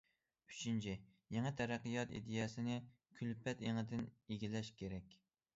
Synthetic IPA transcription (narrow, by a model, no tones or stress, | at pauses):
y̥t͡ʃʰint͡ʃʰɪ | jɛŋæt̪ʰɛɾæqːɨjɑt̪ḭd̪ɪjɛsɪnɪ | kʲʰylpɛt̪eŋɨd̪ɪneɡʲilɛʃkʲʰeɾɛkʲ